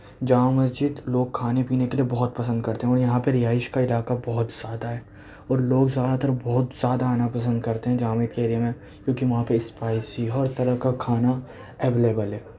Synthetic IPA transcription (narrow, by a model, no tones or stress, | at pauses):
d͡ʒaːmmːɐsd͡ʒid̪loːɡ̚kʰaːnepiːnekeliebɔɦʊt̪̚pɐs̬ə̃nd̪̚kɐɾt̪eɦɛ̃ɔːɾjɐɦãpɐɾɪɦaːɪʃkaɪlaːkabɔɦʊt̪z̥jaːd̪aɦɛː | ɔːɾloːɡzjaːd̪at̪ɐɾbɔɦʊt̪z̥jaːd̪aːnapɐsə̃nd̪̚kɐɾt̪eɦɛ̃d͡ʒaːmek̪keːɾiəmẽ | kjõːkiʋɐɦãpeɪspaːɪsiɔːɾt̪ɐɾəɦkakʰaːna | eʋeːleːbəlɦɛː